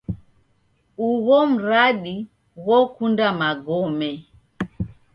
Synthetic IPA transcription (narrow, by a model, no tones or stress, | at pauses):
uɣɔm̩ɾaɗi | wɔkundamaɡɔmɛ